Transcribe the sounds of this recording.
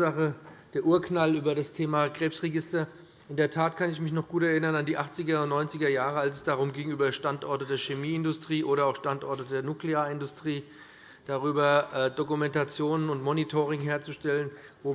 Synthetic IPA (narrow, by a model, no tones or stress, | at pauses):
aχəd̥eːɐʔuːɐknalyːbɐdastʰeːmaːɡ̥ʁeːpsʁeɡɪstɐ | ʔɪndeːɐtʰaːtkʰanɪçmɪçnɔχɡ̥uːtɛɐɪnɐnandiːʔaχt͡sɪɡɐʊntnɔʏnt͡sɪɡɐjaːʁəalsɛsd̥aʁ̞ʊmɡɪŋyːbɐʃtantʔɔɐtədeːɐʃemiːɪndʊstʁ̥iːʔoːɾɐaʊxʃtantʔɔɐtədeːɐnukleaːɐɪndʊstʁ̥iː | d̥aʁyːbɐʔɛd̥okumɛntat͡sjoːnənʊntmɔnitʰoːʁ̞ɪŋɦeːɐt͡suʃtɛlən | voː